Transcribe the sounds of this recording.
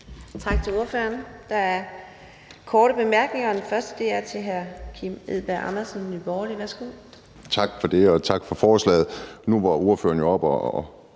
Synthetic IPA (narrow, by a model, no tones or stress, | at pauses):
t͡sʰɑ̈ɡ̥̚t͡sʰe̝lo̝ɐfø̰ɐnd̥ɑ̈æɐ | kʰɒːɾ̥əb̥e̝mæɐɡ̥ne̝ŋɐɒ̽d̥enfɶɐsd̥əd̥e̝̰ːæɐt͡sʰe̝ɦæɐkʰimeð̰ˠb̥æʔɑnɐsnːyb̥ɒːliʋæɐsɡ̥o̝̰ː | t͡sʰɑ̈ɡ̥fɒ̽d̥e̝ɒ̽t͡sʰɑ̈ɡ̥fɒ̽fɒːslɛ̰ːð̩ˠnuʋɑ̈o̝ɐfø̰ːɐnjo̝ɒ̽b̥ɒ